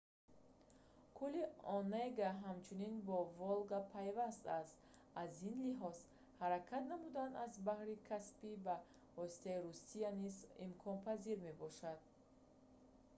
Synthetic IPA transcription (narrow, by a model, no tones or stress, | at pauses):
kʰuliɔnejɡaɦamt͡ʃʰuninbɔvɔlɡapʰajvast̪ast̪ | azinliɦɔz̥ | haɾakʰat̪namud̪anazbahɾikʰaspiba | vɔsi̥t̪aiɾusianizimkʰɔnpʰaziɾme̞bɔʃad̪̥̚